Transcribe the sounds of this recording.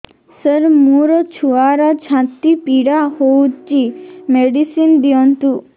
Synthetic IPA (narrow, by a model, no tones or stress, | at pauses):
səɾmuɾɔt͡ʃʰuaɾɔt͡ʃʰãt̪ipiɽahowt͡ʃimeɖisind̪iɔnt̪u